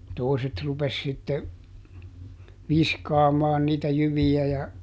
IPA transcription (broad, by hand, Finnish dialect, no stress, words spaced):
toˑiset rupes sitːe ʋiskɑːmɑːn niːtæ jyʋiæ jɑ